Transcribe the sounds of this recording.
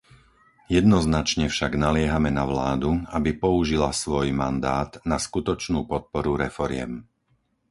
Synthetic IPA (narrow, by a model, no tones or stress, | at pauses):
jɛd̪nɔznat͡ʃɲɛfʃaɡnalɪɛɦamɛnaʋlaːd̪uabipɔuʒilasʋɔjmand̪aːd̪naskut̪ɔt͡ʃnuːpɔt̪̚pɔɾuɾɛfɔɾɪɛ̰m